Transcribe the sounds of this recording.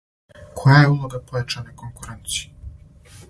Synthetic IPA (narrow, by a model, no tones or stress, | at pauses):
kʰo̞jajeulˠoɡapojat͡ʃanekoŋkuɾent̪sije